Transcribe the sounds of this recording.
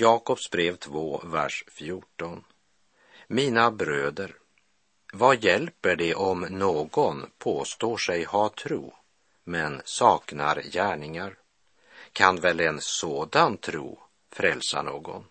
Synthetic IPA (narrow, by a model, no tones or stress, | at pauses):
jɑːkɔpsbɾeːvt̪ʰvoːvæ̰ʂfjuːʈɔn | miːnabɾøːd̪əɾ | vajɛlpəɖɛʔɔmnoːɡɔnpʰoːst̪oːʂɛjhat̪ʰɾṵː | mɛnsɑːkna̰ɾjæːɳɪŋaɾ | kʰanvɛlːɛnsoːd̪ant̪ʰɾṵː | fɾɛlsa̰ɳo̰ːɡɔ̰n